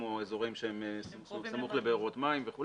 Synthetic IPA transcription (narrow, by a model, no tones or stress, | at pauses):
oezo̞ʁimʃeemes | samuχlebeːʁo̞t̪maimveχul